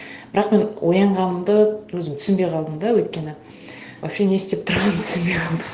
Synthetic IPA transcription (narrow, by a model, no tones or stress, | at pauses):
b̥ɪɾɑqme̞nwʔojɑɴʁɑnəmd̪əwɵzɪmt̪ʰʏ̥sɪnbe̞jqʰɑlˠd̪əmd̪ɑwɵjt̪kʲe̞nɪ | wapʃe̞ne̞st̪ep̚t̪ʰʊɾʁɑnt̪ʰʏ̥sɪnbejqʰɑlˠd̪ə